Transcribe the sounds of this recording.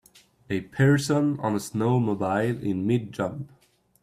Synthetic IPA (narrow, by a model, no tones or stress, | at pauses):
ɨpʰɛɹsə̃nə̰̃nəsnoʊmobaɪlˠɪ̰̃nmɪd̚d͡ʒʌ̃mp